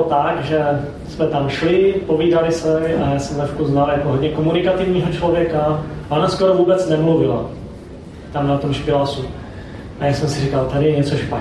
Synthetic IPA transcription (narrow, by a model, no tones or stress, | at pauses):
t̪aɡʒɛ | smɛt̪amʃlɪpo̞viːdalɪsɛajaːsɛmnɛfkuznaljakoɦodɲɛkomunɪkat̪ɪvɲiːɦot͡ʃlovjɛkaʔonaskoɾovuːbɛt͡snɛmluvɪla̰ | t̪amnat̪o̞mʃpɪlasu | ʔajaːsɛmsɪrikalt̪adɪjɛɲɛt͡soʃpa